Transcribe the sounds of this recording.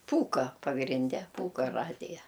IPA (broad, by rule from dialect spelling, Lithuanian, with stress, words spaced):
ˈpuːkɐ pɐɡrʲɪnʲˈdʲɛ ˈpuːkɐ ˈrɑːdʲɪjɛ